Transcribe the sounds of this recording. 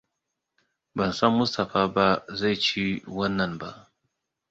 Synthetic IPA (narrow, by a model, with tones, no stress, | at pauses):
bɐ˨nsɐ˦mːʊ˦sta˨faː˦ba˦za˦˨jt͡ʃi˦wɐ˦nːɐ˨nba˦ʔ